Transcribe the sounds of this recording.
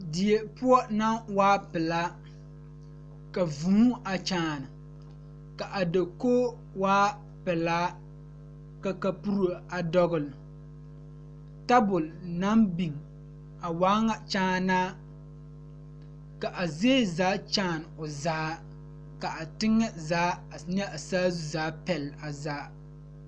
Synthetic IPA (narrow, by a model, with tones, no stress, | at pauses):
dɪ˨e˨pʊ˦ɔ˦na˦ŋwaː˦pɪ˨laː˦ | ka˨vuː˦ʔa˨t͡ʃaː˦˨nɨ˨ | ka˨ʔa˨do˨ko˦ | waː˦ | pɪ˨la˦ | ka˨ka˨pu˦ɾo˨a˨dɔ˦ɣʊ˨l | ta˦bʊ˨lna˦mbi˨ŋ | a˨waː˦ŋa˨t͡ʃaː˦naː˦ | ka˨ʔa˨zeː˦˨zaː˨˦t͡ʃaː˦˨n˨ʊ˨zaː˦ | ka˨a˨tɪ˦ŋːɛ˦zaː˨˦a˨ɲɛ˦a˨saː˦zu˦˨zaː˦pɛ˨la˨zaː˨˦